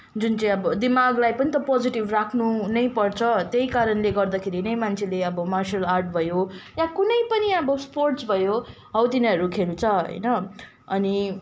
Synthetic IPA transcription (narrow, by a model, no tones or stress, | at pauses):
d͡zunt͡saĩʌbʌd̪imaɡlajpʌnit̪ʌpod͡ziʈibrakʰnunʌjpʌrt͡sʰʌt̪eikaɾʌnleɡʌrd̪akʰeɾinʌjmant͡sʰeleʌbʌmarsʌlarʈ̚bʱʌjojãkunʌjpʌniʌbʌsporʈsbʱʌjo | ɦʌwt̪inʌɾukʰeɾut͡sʰʌɦʌ̰jnʌ | ʌni